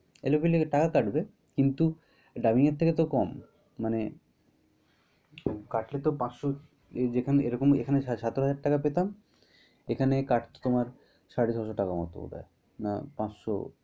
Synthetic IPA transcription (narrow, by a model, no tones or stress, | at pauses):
ḛlokileʈakakaʈbe | kint̪u | ɖamiŋeɾt̪ʰeket̪okɔmː | ane | kaʈlet̪opãt͡ɕʃo | d͡ʑekʰanḛɾɔkomḛkʰaneʃat̪oɦad͡ʑaɾʈːakapet̪am | ekʰanekaʈt̪o̥t̪omaɾ | ʃaɽiʃɔʃoʈakamɔ̰t̪o̰ṵt̪ʰa̰e | na̰pãt͡ɕʃo̰